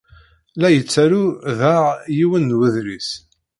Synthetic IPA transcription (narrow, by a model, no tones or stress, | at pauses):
læjət͡sːæɾuðaʁjiwənːwəðɾis